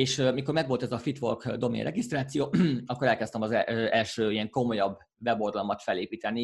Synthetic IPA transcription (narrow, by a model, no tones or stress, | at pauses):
eːʃmiko̞rmɛɡʋo̞lt̪ɛzɒfit̪ʋo̰rkd̪o̞mḛnrɛɡist̪raːt̪sijoːɒkːo̞ɾɛlkɛst̪ɛmɒzɛɛlʃøːiɛŋko̞mo̞jɒbː | vɛbo̞rd̪ɒlmɒt̪fɛleːpiːt̪ɛnːi